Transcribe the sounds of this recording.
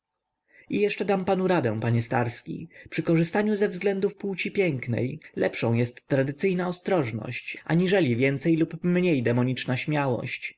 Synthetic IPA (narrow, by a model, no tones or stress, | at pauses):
ijɛʂt͡ʂɛd̪ampanuɾad̪ɛ̃w̃paɲɛst̪aɾskʲḭpʂɘkɔʐɘst̪aɲuzɛvzɡlɛnd̪ufpuwt͡ɕipʲjɛŋknɛ̰jlɛpʂɔ̃w̃jɛst̪ːɾad̪ɘt̪sɘjnaɔst̪ɾɔʐnɔ̰ɕt͡ɕʔa̰ɲiʐɛlʲivʲjɛnt̪sɛjlupmɲejd̪ɛmɔɲit͡ʂnaɕmʲjawɔ̰ɕt͡ɕ